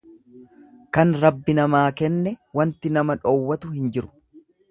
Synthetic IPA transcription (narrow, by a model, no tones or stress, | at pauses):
kɐnɾɐbːɪnɐmaːkɛnːɛwɐnt̪ɪnɐmɐᶑoːwːɐt̪ʊhɪnd͡ʒɪɾʊ̥